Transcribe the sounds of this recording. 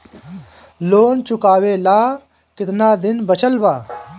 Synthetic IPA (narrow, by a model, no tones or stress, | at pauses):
loːnt͡ʃʊkaːweːlaː | kɪt̪naːd̪ɪnbɐt͡ɕʰəlbaː